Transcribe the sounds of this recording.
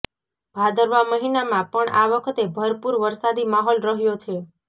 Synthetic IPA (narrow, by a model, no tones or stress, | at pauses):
b̥ʱad̪əɾʋaməɦinamãpəɳaʋəkʰət̪ebʱəɾpuɾʋəɾsad̪imaɦɔlɾəɦjot͡ʃʰe